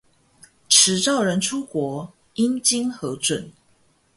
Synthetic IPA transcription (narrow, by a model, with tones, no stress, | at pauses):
ʈ͡ʂʰɻ̩˨˥ʈ͡ʂɑ˥˩ʊɻə˧˥nʈ͡ʂʰu˥kwɔ˧˥ | i˦nt͡ɕi˥nxɤ˨˧˥t͡swə˨˩n